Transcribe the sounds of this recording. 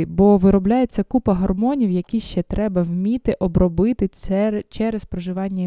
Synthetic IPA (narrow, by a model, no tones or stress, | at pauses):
ɪbɔʋɪɾɔblʲaje̞t͡sʲːɐkupɐɦɐrmɔnʲiwjɐkʲiʃt͡ʃɛt̪ɾɛbɐwmʲit̪ɪʔɔbɾɔbɪt̪ɪt͡ʃɛɾespɾɔʒɪʋɑnʲːɐ